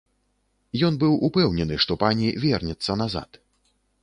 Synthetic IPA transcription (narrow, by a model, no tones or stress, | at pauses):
jɔnbɨwʔupɛwnʲɛnɨʂt̪ɔpanʲivʲɛrnʲɛt̪sːɐnaza̰t̪